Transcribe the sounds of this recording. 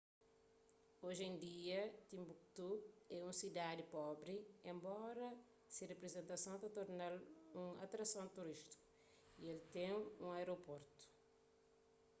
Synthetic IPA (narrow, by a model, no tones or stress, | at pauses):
oʒẽnd̪iɐt̪ĩmbuk̚t̪uɛũsid̪ad̪ipɔbɾiẽmbɔɾɐ | sirepɾezẽnt̪ɐsɐ̃wt̪ɐt̪oɾnalũa̰t̪ɾɐsɐ̃d̪t̪uɾiʃt̪i̥ku | ielt̪ẽjũajɾopoɾt̪u̥